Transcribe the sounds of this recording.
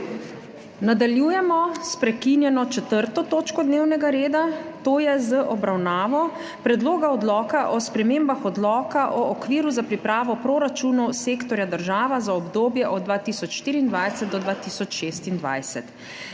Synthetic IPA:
nad̪aljuːjɛmɔspɾɛkinjɛnɔt͡ʃɛt̪əɾt̪ɔt̪oːt͡ʃkɔd̪neːwnɛɡaɾeːd̪at̪oːjɛzəʔɔbɾawnaːʋɔ | pɾɛd̪loːɡaɔd̪lɔːkaʔɔspɾɛmembaxɔd̪lɔːkaʔɔːkʋiːɾuzapɾipɾaːʋɔpɾoːɾat͡ʃunɔwseːkt̪ɔɾjad̪əɾʒaːʋazaɔbd̪oːbjɛʔɔd̪d̪ːʋaːt̪iːsɔt͡ʃʃt̪iːɾiːnd̪ʋajsɛt̪̚d̪ɔd̪ʋaːt̪iːsɔt͡ʃʃeːst̪ind̪ʋa̰jsɛt̪

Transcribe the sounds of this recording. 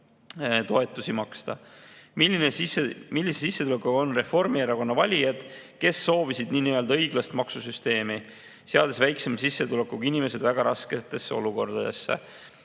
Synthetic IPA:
t̪o̞e̞t̪ːˑusimɑkst̪ɑ̰miːineimilʲːisesisːeulekuɡo̞nre̞fo̞rmieɾɑko̞nːɑvɑlʲijɑd̪̥ke̞sːo̞ːvisid̪̥niːnield̪ɑɤ̞jɡlɑst̪mɑksusyst̪e̞ːmi | seɑd̪̥esvæjkse̞mɑsisːet̪ulekuɡ̥ɑinime̞se̞d̪væɡ̥ɑɾɑske̞t̪ːˑe̞sːeo̞luko̞rd̪̥ɑd̪e̞sːḛ

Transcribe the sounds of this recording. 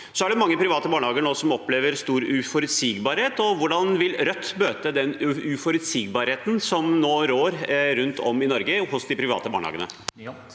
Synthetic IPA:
sɔæɖɛmɑŋːəpʰɾɪʋɑːt̪əbɑːɳəhɑːɡəɳoːsɔmɔpleːʋəɾst̪uːɾʉfɔɾʉd̪siːɡbɑːɾheːt̪ɔʋʊɖɑnʋɪlɾœt̪ːmøːt̪əd̪ɛnʉʉfɔɾʉd̪siːɡ̚bɑːɾheːt̪nsɔmnoːɾoːɾɾʉnt̪ʰɔmɪnɔɾɡəhʊsd̪ɪpʰɾɪʋɑ̰ːt̪əbɑ̰ːɳɑ̰ːɡənə̰

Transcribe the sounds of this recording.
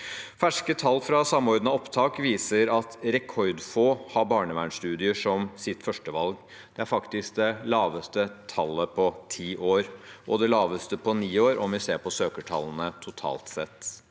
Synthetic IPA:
fæʂkət̪ʰɑlːfɾɑsɑmːɔːɾd̪nɑɔpt̪ʰɑːkʋiːsəɾɑt̪ɾɛkʰɔɾd̪foːhɑbɑːɳəʋæɳʂʈ̪ʉːd̪ɪəʂɔmsɪt̪ːfœʂʈəʋɑlɡ | d̪̥ɛæɾfɑkt̪ɪsk̚d̪ɛlɑːʋəst̪ət̪ʰɑlːəpʰɔt̪ʰiːʔoːɾʔɔd̪ɛlɑːʋəst̪əpʰɔniːoːɾʔɔmʋɪseːɾpɔsøːkəʈʰɑ̰lːənət̪ʰʊt̪ʰɑ̰ːlt̪sɛt̪ː

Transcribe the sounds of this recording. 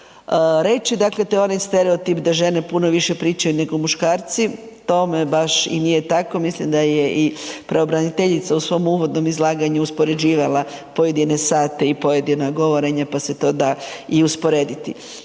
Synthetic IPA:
ɾe̞t͡ʃid̪aklet̪o̞jeo̞najst̪eɾeot̪ipd̪aʒe̞nepuno̞ʋiʃe̞pɾiːt͡ʃajune̞ɡomuʃkaːɾt̪sit̪o̞me̞baʃḭnije̞t̪ako̞mislimd̪aje̞ʔipɾe̞o̞bɾanit̪eʎit̪sausʋo̞muʋo̞d̪no̞mizlˠaːɡaɲuuspo̞ɾe̞d͡ʑiːʋala | poje̞d̪inesaːt̪e̞ipo̞jed̪inaɡo̞ʋo̞ɾe̞ɲapaset̪o̞ːd̪aiuspoɾeːd̪it̪ḭ

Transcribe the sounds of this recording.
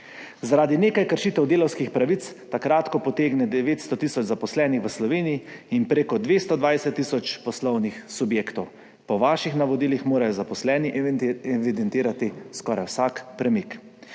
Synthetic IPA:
zaɾaːd̪ineːkajkəɾʃit̪ɛwd̪eːlɔwskixpɾaʋit̪st̪akɾaːt̪kɔpɔt̪eːɡnɛd̪ɛʋeːt̪st̪ɔt̪isɔd͡ʒzapɔslɛːnixʋəslɔʋeːnijiinpɾeːkɔd̪ʋeːst̪ɔd̪ʋajsɛt̪ːisɔt͡ʃpɔslɔwnixsubjeːkt̪ɔw | pɔʋaːʃixnaʋɔd̪iːlixmoːɾajɔzapɔslɛːniʔɛʋid̪ɛnt̪iːɾat̪iskɔːɾa̰jwsakpɾɛmik

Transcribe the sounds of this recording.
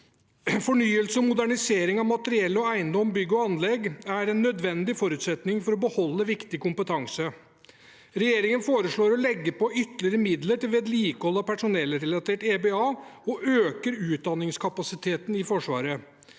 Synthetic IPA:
fɔɳyːəlsəɔmʊd̪æɳɪseːɾɪŋɑʋmɑt̪əɾɪɛlːəɔæɪənd̪ɔmbʏɡːəɔɑnlɛɡæɾɛnːœd̪ʋɛnd̪ɪfɔɾʉːt̪sɛt̪nɪŋfɔɾɔbəhɔlːəʋɪkt̪ɪkʰʊmpət̪ʰɑŋsə | ɾɛjeːɾɪŋənfoːɾəʂɭoːɾɔlɛɡːəpɔʏt̪ːəlɪɾəmɪd̪ləʈɪlʋeːd̪liːkəhɔlːɑpʰæʂʊnɛlːəɾɛlɑt̪ʰeːʈeːbeɑːɔʔøːkəɾʉːt̪̚d̪ɑnːɪŋskʰɑpɑsɪt̪ʰeːt̪n̩ɪfɔʂʋɑ̰ːɾə

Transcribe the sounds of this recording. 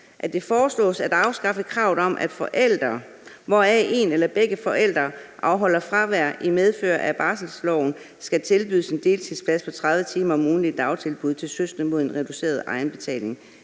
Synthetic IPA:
ʔæd̥e̝fɒːslɔ̰ːsæd̥ɑ̈ʊsɡ̥ɑ̈fəkʰʁɑ̈ʊð̩ˠɒ̽mʔæd̥fɒ̽ʔel̰d̥ʁɐ | ʋɒæe̝ːnelɐb̥eɡ̥əfɒ̽ʔel̰d̥ʁɐʔɑ̈ʊɦɒ̽l̰ɐfʁɑ̈ʋæɐ̰ʔimeð̞ˠfø̰ːɐʔæb̥ɑ̈ːsl̩slɒʊn̩ | sɡ̥æt͡sʰe̝lb̥yðˠəse̝nd̥e̝ːlsʰispʰlæspʰɒ̽t͡sʰʁɑ̈ð̞ˠʋət͡sʰiːmɐɒmuːn̩dlid̥̚ɑ̈ʊt͡sʰe̝lb̥uð̞ˠt͡sʰe̝lsøsd̥nəmo̝ð̞̰ˠenʁɛd̥use̝̰ːɐðˠɑ̈ɪnb̥e̝t͡sʰɛ̰ːle̝ŋ

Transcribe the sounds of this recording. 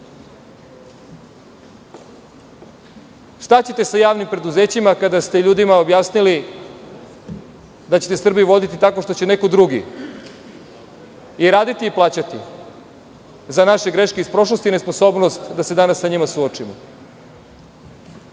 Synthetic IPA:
ʃt̪at͡ɕe̞t̪e̞sajaːʋnimpɾe̞d̪uze̞ːt͡ɕimakad̪ast̪e̞ʎuːd̪imao̞bjaːsnili | d̪at͡ɕe̞t̪e̞sr̩bijuʋo̞d̪it̪it̪ako̞ʃt̪o̞t͡ɕe̞ne̞ko̞d̪ɾuɡḭ | iɾaːd̪it̪iːplˠaːt͡ɕat̪i | zanaʃe̞ɡɾe̞ʃkeispɾo̞ʃ̬lost̪ine̞spo̞so̞ːbno̞st̪d̪ase̞d̪anasːaɲimasuot͡ʃimo̰

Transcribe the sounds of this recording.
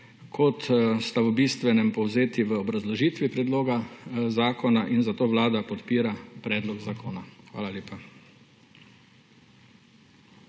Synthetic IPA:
kʰɔt̪st̪aʋəbist̪ʋɛnɛmpɔwzeːt̪iʋəɔbɾazlɔʒit̪ʋipɾɛd̪loːɡazaːkɔnaʔinzat̪oːʋlaːd̪apɔt̪piːɾapɾɛːd̪lɔɡzakoːnaxʋa̰ːlaleːpa

